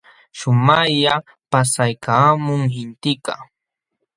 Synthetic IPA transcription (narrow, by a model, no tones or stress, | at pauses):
ʃʊmaʎa | pasajkʰaːmʊŋhɪnt̪ɪkɑ̰